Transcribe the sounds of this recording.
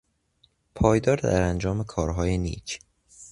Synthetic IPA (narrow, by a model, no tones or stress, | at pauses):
pʰɒːjd̪ɒːɾd̪æɾænd͡ʒɒːmekʰɒːɾɦɒːjenḭːt͡ʃʰ